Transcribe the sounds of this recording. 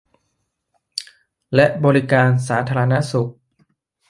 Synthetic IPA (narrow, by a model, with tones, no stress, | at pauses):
lɛ˦˥ʔbɔː˧ɾi˦˥kaː˧nsaː˩˦t̪ʰaː˧ɾa˧na˦˥su˨˩k̚